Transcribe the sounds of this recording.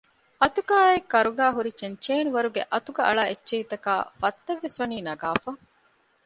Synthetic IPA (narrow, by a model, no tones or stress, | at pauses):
ɐt̪uɡaːekːɐɾuɡæːɦuɾit͡ʃent͡ʃeːnuʋɐɾuɡeʔɐt̪uɡɐɐɭaːʔet͡ʃːʃːeɦit̪ɐka̰ːfɐt̪ːɐʋːesʋɐniːnɐɡaːfɐ